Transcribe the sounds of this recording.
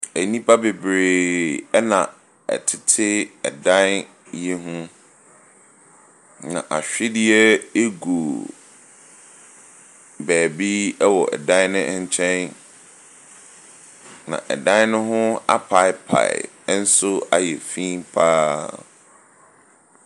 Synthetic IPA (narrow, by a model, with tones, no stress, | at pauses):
æ˨nĩ˦pʰa˦be˨bɾe˨ɛ˦nã˨ | ɛ̰˨tʰɪ˦tʰɪ˦ɛ˨dã˦n | jɛ˦ɦũ˦ | nã̰˨ʔa˨ɕᶣɪ˦dɪ˦ɛ˦e˦ɡo˨ | bæː˨bi˦ɛ˦wɔ˨ʔɛ̰˨dã˦nʊ̃˦ʔɲ˦t͡ɕʰɛ̃˦n | nã̰˨ʔɛ̰˨dã˦n˦nʊ̃˦ɦʊ̃˦a̰˦pʰa˦ɪ˦pʰa̰˨ɪ˨˦ | n̩˦sʊ˦a˨jɛ˨fĩ˦mpʰaː˦